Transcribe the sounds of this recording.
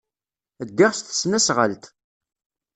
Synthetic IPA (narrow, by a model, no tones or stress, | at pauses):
əd̪ːɪʁst̪ə̥snæsʁə̰lt̪